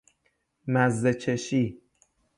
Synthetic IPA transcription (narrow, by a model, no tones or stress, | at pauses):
mæzːet͡ʃʰeʃiː